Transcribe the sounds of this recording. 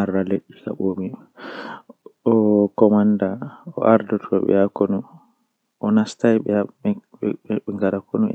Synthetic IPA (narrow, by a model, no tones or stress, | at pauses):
aɾaleɗːika̰ɓoːmi | ɔkɔmandaɔ̰ʔaɾdɔtʰɔɓɛ̰jakonu | ʔɔnastajɓɛa | ɛŋɡaɾakʰonuɛ̰